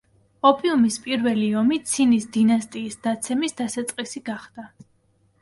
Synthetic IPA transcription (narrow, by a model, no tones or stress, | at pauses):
ɔpʼiumispʼiɾvɛliɔmit̪sʰinisd̪inast̪ʼiːsd̪̥at̪sʰɛmisd̪̥asat̪sʼqʼisiɡaχd̪̥a